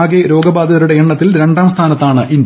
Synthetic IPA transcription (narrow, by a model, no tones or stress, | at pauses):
ɡeɾo̞ːɡɐbaːd̪ʱɐðɐɾuɽe̞eɳːɐt̪ːilɾe̞ɳɖaːmst̪ʰaːnɐt̪ːaːɳɨʔind̪